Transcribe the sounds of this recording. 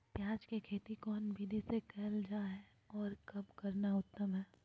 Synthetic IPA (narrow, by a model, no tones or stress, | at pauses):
pjaːd͡ʒkekʰeːt̪ikɔːnbʱiːd̪isekɛɦld͡ʒaːɦɛ | ɔːɾkɐbkɐɾnaʊt̪ːəmɦɛː